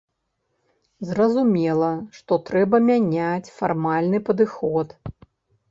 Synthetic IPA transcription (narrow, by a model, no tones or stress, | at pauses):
zrɐzumʲɛlˠɐʂt̪ɔt̪ɾɛbɐmʲanʲat͡sʲfarmalʲnɨpɐd̪ɨxɔt̪